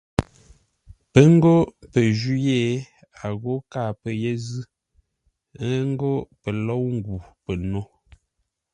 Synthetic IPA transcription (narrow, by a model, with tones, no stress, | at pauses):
pə˦ŋ˦ɡo˦pə˨ʒu˦je˦˨ | a˨ɣo˦ka˦˨pə˨je˦zɨ˦ | ə˦ŋ̩˦ɡo˦pə˨lɔ˦wŋ̩˦ɡu˨pə˨no˦